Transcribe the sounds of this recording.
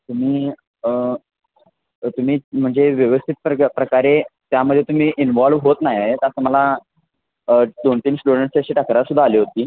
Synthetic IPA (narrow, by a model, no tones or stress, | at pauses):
t̪um̤iː | t̪um̤iːm̤əɳd͡zeʋjəʋəst̪ʰit̪̚ppɾəkaɾet̪jaməd̪ʱjet̪um̤iːʔinʋɔlʋɦot̪najaet̪asəməla | d̪oɳt̪iːnsʈuɽəɳʈst͡ɕaɕiːʈʰakɾaɾsud̪ʱːaːliːɦot̪iː